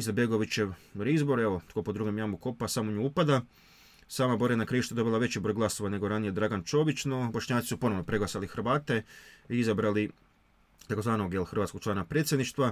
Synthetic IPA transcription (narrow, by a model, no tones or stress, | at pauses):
izabe̞ɡo̞ʋit͡ɕeʋɾizbo̞ɾeʋot̪ko̞pod̪ɾuɡemiamuko̞pasamoɲuupad̪a | saːmaboɾenakɾiiʃt̪ud̪o̞bilˠaʋe̞t͡ɕibɾo̞jɡlˠaso̞ʋane̞ɡo̞ɾanije̞d̪ɾaɡant͡ʃo̞ːʋit͡ɕnobo̞ʃɲaːt̪i̥supo̞noʋno̞pɾe̞ɡlˠasalixrʋaːt̪e̞iizabɾali | t̪ako̞zʋaːnoɡjelxr̩ʋat̪skok̚t͡ʃlaːnapɾet̪sje̞d̪niʃt̪ʋa